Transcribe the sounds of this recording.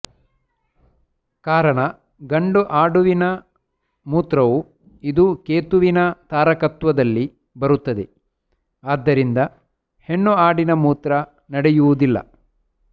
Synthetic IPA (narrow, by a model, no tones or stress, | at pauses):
kaːɾɐɳɐ | ɡɐɳɖuʔaːɽuʋinɐ | muːt̪ɾɐʋu | id̪ukeːt̪uʋinɐt̪aːɾɐkɐt̪ʋɐd̪ɐlːi | bɐɾut̪ːɐd̪e | aːd̪ːɐɾind̪ɐ | heɳːuaːɽinɐmuːt̪ɾɐ | nɐɽejuʋud̪ilːɐ̰